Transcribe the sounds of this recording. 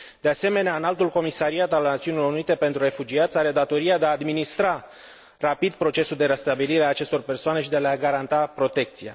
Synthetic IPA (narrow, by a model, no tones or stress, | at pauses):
d̪ease̞me̞neaɨnalt̪ulko̞misaɾiat̪alnat̪siunilo̞ɾunit̪e̞pe̞nt̪ɾure̞fud͡ʒiat̪sʲaɾe̞d̪at̪o̞ɾiad̪eaːd̪minist̪ɾa | rapid̪pɾo̞t͡ʃe̞suld̪e̞ɾest̪abiliɾeaːt͡ʃe̞st̪o̞rpe̞rsoane̞ʃid̪ealeaɡaɾant̪apɾo̞t̪e̞k̚t̪sija̰